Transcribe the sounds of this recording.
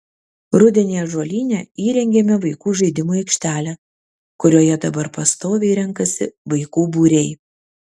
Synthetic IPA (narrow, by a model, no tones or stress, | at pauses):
ɾʊd̪ʲɛnʲeːjɛʒoɔlʲiːnʲɛːiːɾʲɛŋʲɡʲeːmʲɛʋɐɪkuːʒɐɪd̪ʲɪmoːɛɪkʃʲt̪ʲæːlʲæ | kʊɾʲuɔːjɛd̪ɐbɐɾpɐst̪oːʋʲɛɪɾʲɛŋˑkɐsʲɪʋɐɪkuːbuːɾʲɛɪ